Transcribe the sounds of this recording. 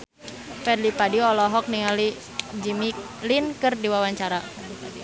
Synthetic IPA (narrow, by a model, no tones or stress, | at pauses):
fɛdlipadiɔlɔɦɔk̚niŋali | d͡ʒimi | linkɨrdiwawaɲt͡ʃaɾa